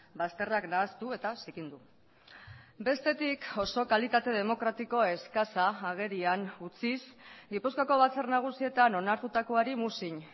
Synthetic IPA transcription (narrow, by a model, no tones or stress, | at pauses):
bast̪e̞raknaːst̪ue̞t̪asikind̪u | be̞st̪e̞t̪iko̞so̞kalit̪at̪e̞ð̞e̞mo̞kɾat̪iko̞e̞skasaːɣ̞e̞ɾianut͡sis | ɡipuskoko̞β̞at͡sernaɣ̞usie̞t̪ano̞naɾt̪ut̪ako̞aɾimusiɲ